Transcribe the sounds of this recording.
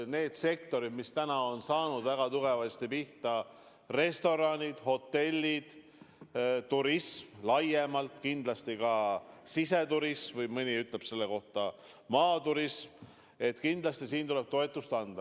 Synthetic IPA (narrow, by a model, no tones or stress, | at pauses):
ne̞ːd̪̥se̞kt̪o̞ɾid̪̥mist̪ænɑo̞nsɑːnud̪væɡ̥ɑt̪uɡ̥e̞vɑst̪ipiht̪ɑ | re̞st̪o̞ɾɑnʲid̪̥ho̞t̪ːe̞lʲːid̪̥ | t̪uɾismlɑje̞mɑlt̪kind̪̥lɑst̪ikɑsise̞t̪uɾismvɯjmɯnʲiyt̪ˑle̞b̥se̞lːe̞ko̞ht̪ɑ | mɑːt̪uɾism | e̞t̪kind̪lɑst̪isiːnt̪ule̞b̥̚t̪o̞e̞t̪ːˑust̪ɑnd̪̥ɑ